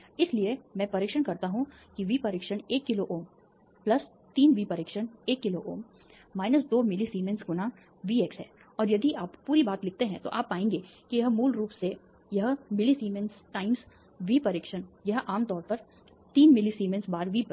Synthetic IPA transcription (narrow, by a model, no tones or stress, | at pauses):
ɪsliemɛ̃ːpɐɾɪkʃənkɐɾt̪aɦũkiʋiːpɐɾɪkʃəneːkːɪloʔoːm | plɐs | t̪iːnʋiːpɐɾɪkʃəneːkːɪloʔoːm | maːɪnəsd̪oːmɪlisiːmẽnsɡʊna | ʋiːeksɦɛ̰ː | ɔːɾjɐd̪iaːppːuːɾibaːt̪lɪk̚ʰt̪eɦɛ̃t̪o̰ʔaːpːaːẽːŋɡeː | kijɐɦmuːlɾuːpse | jɐɦmɪlisiːmẽnsʈaːɪms | ʋiːpɐɾɪkʃənjɐɦʔaːmt̪ɔːɾpɐɾ | t̪iːnmɪlisiːmẽnsbaːɾʋiː